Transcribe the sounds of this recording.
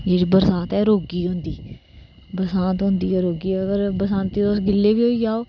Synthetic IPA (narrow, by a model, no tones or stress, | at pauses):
d͡ʒeːɽiːbəɾsãːt̪ɛːɾoːɡiːɦʊ̃nd̪iː | bəɾsãːt̪ɦʊ̃nd̪iːɛɾoːɡiːɛəɡəɾbəsãːnt̪iːosɡɪlːeːbiːɦoːiːd͡ʒaːoː